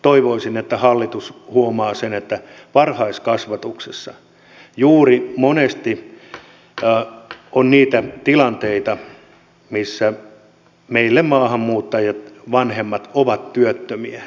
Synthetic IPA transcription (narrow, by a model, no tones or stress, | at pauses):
t̪oiʋoisinet̪ːæhɑlːit̪ushuomɑːsenet̪ːæ | ʋɑrhɑiskɑsʋɑt̪uksesːɑ | juːrimonest̪i | onniːt̪æt̪ilɑnt̪eit̪ɑ | misːæ | meilːemmɑːhɑmmuːt̪ːɑjɑt̪ʋɑnhemːɑt̪oʋɑt̪tyøt̪ːømiæ